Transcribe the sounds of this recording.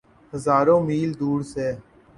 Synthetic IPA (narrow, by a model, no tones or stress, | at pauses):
həzaːɾõːmiːld̪uːɽseː